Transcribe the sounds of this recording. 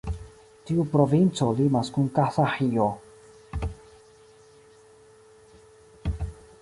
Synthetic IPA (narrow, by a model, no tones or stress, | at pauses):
t̪iupɾovint͡solimaskuŋkaθaħio